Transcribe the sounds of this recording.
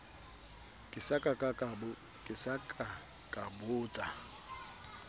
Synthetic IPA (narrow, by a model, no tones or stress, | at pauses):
kʼɪsakʼakʼakʼabʊ | kʼɪsakʼa | kʼabʊːt͡sʼa